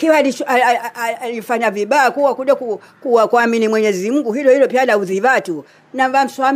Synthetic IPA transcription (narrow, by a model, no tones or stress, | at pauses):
kiwalia | lifaɲaviɓajakuwakuɗaku | kuwakwaminimwɛɲɛzim̩ɡuɦilɔhilɔpialauðivatu | navam̩swam